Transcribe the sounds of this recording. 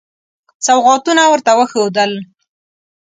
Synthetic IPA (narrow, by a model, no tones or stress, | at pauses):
t͡sawʁɑt̪unawəɾt̪awəxod̪əl